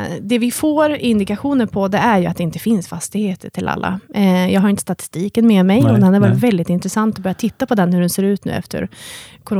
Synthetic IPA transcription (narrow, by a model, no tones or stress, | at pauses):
d̪ɛvɪfoːɾɪnd̪ɪkaɧuːnəɾpʰɔd̪ɛæɾjɵat̪̚d̪ɛɪnt̪əfɪnsfast̪ɪɡheːt̪əʈʰɪlʔa̰lːa̰jɑːɡɦaɾɪnt̪ə̥st̪at̪ɪ̥st̪iːkənmɛːmɛjɔd̪ɛhad̪ɛvɑːɾɪt̪vɛld̪ɪt̪ɪnt̪ɾɛsant̪ɔbœɾjat̪ʰɪt̪ːapʰɔd̪ɛnhɵɖɛnseːɾʉ̟ːt̪nʉ̟̰ːɛ̰ft̪ə̰ɾkʰʊɾo